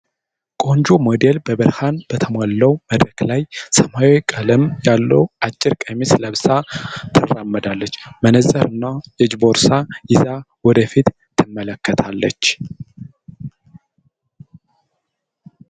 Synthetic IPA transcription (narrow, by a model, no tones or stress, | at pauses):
kʼo̞nd͡ʒomo̞d̪elbəbɨɾhanb̥ət̪ʰəmalːəwməd̪ɾəklajsəmajwkʼələmjalːəwʔat͡ʃʼːɪɾkʼəmisləβsat̪ʰɨrːamːəd̪alːət͡ʃːmənəzəɾɨnːajɛd͡ʒbo̞ɾsajɪza | wɔd̪əfit̪ʰː | ɨmːələkːət̪ʰalːət͡ʃː